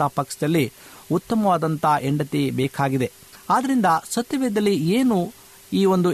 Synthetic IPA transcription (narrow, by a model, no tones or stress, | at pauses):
ɐpɐksɐd̪ɐlːiut̪ːɐmɐʋaːd̪ɐnt̪ɐʔeɳɖɐt̪ibɛːkʰaːɡid̪e̞ | aːd̪ɐɾind̪ɐsɐt̪ːɐʋɛːd̪ɐlːieːnu | iːʋo̞nd̪u